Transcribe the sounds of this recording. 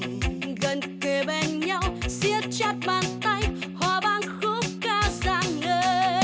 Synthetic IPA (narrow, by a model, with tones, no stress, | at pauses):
ɣə˨˩nke˨˩ɓe˧˩nɲa˧wsi˧ət͡ɕɛ˦˥t̚maː˨˩nt̪a˧jhɔ˧˩ɓaː˧˨nxo˧˦˥ŋ͡mkaː˧zaː˧˨ŋnəː˧˦